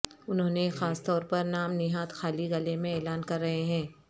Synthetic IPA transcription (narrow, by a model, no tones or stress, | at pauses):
ʊnɦõːnexaːst̪ɔːɾpɐɾnaːmnɪɦaːt̪xaːliɣɐlemẽeːlaːnkɐɾːɐɦeɦɛ̃ː